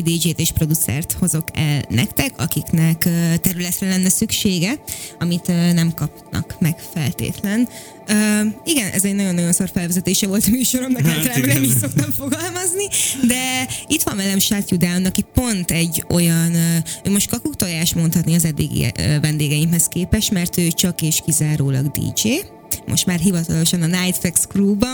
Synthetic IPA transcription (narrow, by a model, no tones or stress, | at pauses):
d̪id͡ʒeːt̪eːʃpro̞d̪ut̪sɛ̰rt̪ho̞zo̞kɛ̰lnɛ̰kt̪ɛkʰɒkiknɛkøːt̪ɛɾylɛt̪rɛlɛnːɛsykʃeːɡɛɒmit̪ønɛmkɒpnɒ̰kmɛkfɛlt̪ḛːt̪lɛn | øːiɡɛnʔɛ̰zɛɟnɒɟo̞nːɒɟo̞nsorfɛlvɛzɛt̪eːʃɛvo̞lt̪ɒmyːʃo̞ɾo̞mnɛɛlabɛnɛmiʃso̞k̚t̪ɒɱfo̞ɡɒlmɒznid̪ɛit̪ʋɒmvɛlɛmʃat̪jud̪aumnɒkipo̞nt̪ɛɟːo̞jɒnːøːmoʃt̪kɒkukt̪ojaːʃmo̞nt̪hɒt̪niɒzɛd̪ːḭɡḭːvɛnd̪eːɡɛimhɛskeːpɛʃmɛrt̪øːt͡ʃɒkeːʃkizaːɾoːlɒ̰ɡd̪ḭːd͡ʒeː | mʔo̞̰ʃt̪maːrɦivɒt̪ɒlo̞ʃɒnɒnajt̪fɛkskruːbɒ